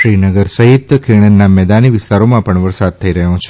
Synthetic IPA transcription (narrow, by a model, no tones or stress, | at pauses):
ʃɾinəɡəɾsəɦit̪kʰiɳ̃ənːamɛd̪aniʋɪst̪aɾomãpəɳʋəɾsad̪̚t̪ʰəiɾəɦjõt͡ʃʰe